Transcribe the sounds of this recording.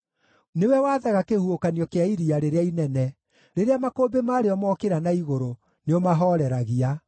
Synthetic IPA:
newɛwaːðaɣakehuokaniɔkeaiɾiaɾeɾeainɛnɛ | ɾeɾeamakoːbemaːɾeɔmɔkeɾanaiɣoɾo | neomaɦɔɾɛɾaɣia

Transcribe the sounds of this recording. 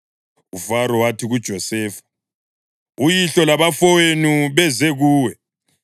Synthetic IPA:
ufaɾɔwatʰiɣud̥ʒ̥ʱɔsɛːfḁ | ujiɬɔlaβafɔwenuβɛzɛɣuːwɛ

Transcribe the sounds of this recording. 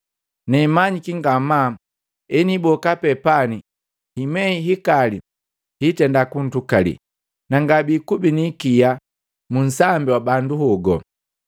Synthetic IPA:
nɛmaɲikiŋɡama | ɛnibɔkapɛpani | himɛiɦikali | hitɛndakun̩tukalḭ | naŋɡabikubinikija | mun̩sambiwabanduhɔɡɔ

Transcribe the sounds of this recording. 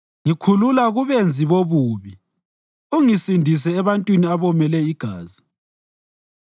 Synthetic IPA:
ŋikʰululaɣuβend͡zʱiβoβuːβi | uŋisindʱis̬ɛːβantʼwiniaβɔmɛlɛiɡ̥ʱaːzi

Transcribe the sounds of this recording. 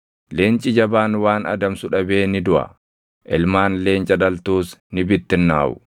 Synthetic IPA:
leːnt͡ʃʼɪd͡ʒɐbaːnwaːnɐ̰d̪ɐmsʊᶑɐbeːnɪd̪ʊʔɐ̰ | ʔɪlmaːnle̞ːnt͡ʃʼɐᶑɐlt̪uːsnɪbɪt̪ːɪnːa̰ːʔʊ̰

